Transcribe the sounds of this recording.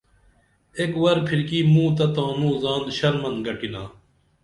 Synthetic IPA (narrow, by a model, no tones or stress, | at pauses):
ekwɐɾpʰiɾkiːmũːt̪ɐt̪ãːnũːzaːnɕɐɾmɐnɡɐʈinaː